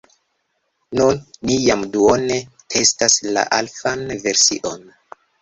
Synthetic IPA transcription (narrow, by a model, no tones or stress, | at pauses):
nunːijamduone̞ | tʰe̞stasla̰ʔalfanve̞ɾsḭʔo̞n